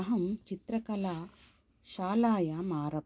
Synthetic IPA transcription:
ɐɦɐmt͡ʃit̪ɾɐkɐlaː | ʃaːlaːjamaːɾɐ

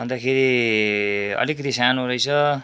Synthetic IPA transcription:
bʌnd̪akʰeɾi | ʌ̰likɾisanuɾʌjt͡sʰʌ

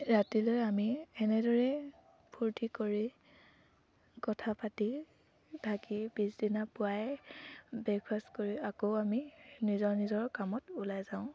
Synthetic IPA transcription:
ɹatilojamiɛnɛdɔɹɛ | pʰuɹtikoɹi | kɔtʰapati | dʱakib̥isdinapʊaj | bɛkʰastkoɹiakoʊaminizɔɹnizɔɹkamɔtulajzaʊ̃

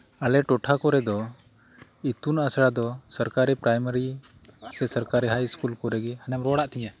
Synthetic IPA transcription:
alɛʈɔʈʰakɔɾɛd̪ɔ | it̪unasɽad̪ɔsəɾkaɾɛpɾajməɾi | sɛsəɾkaɾɛɦajskulkɔɾɛɡihanɛmɾɔɽaʔt̪ɛjã

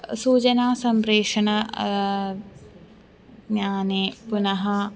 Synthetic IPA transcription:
suːd͡ʒɐnaːsɐmpɾeːʂɐɳɐ | ɲaːneːpunɐɦɐ

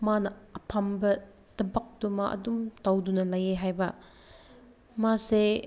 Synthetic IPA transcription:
manɐɐpʰambɐ | d̥ɐbɐk̚dumaʔɐ̰dumtawdunɐlɐjeɦajbɐ | mase

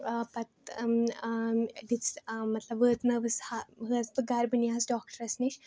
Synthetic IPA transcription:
pɐt̪ | d̪it͡smɐt̪lɐbʋəːt̪nɐʋɨshaɦɨɐspɨɡaɾbɨniasɖɔːk̚ʈəɾɐsniʃ

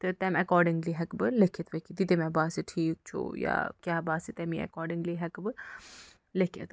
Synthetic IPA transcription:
t̪ɨt̪ɛmɐkɔːɾɖɪŋɡliɦɛkbɨlekʰet̪ʋekid̪it̪emɛbaːseʈʰiːk̚t͡ʃʰṵja̰kʲjaːbaːset̪ɛmiɐ̰kɔːɖɪŋɡliɦɛkbɨ | lekʰḭt̪

